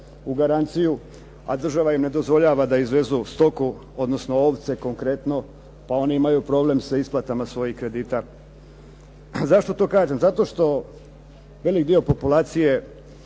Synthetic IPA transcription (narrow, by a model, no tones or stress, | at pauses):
uɡaɾant̪siju | a̰d̪r̩ʒaʋaimne̞d̪o̞zʋo̞ʎaːʋad̪aizʋe̞zust̪o̞ku | o̞d̪no̞sno̞oːʋt̪se̞ko̞ŋkɾe̞t̪no̞ | pao̞niimajupɾo̞ble̞msaisplˠat̪amasʋo̞jihkɾe̞d̪iːt̪a | zaʃt̪o̞t̪o̞ːkaːʒemzat̪o̞ʃt̪o̞ | ʋe̞likd̪io̞po̞pulˠaːt̪sije̞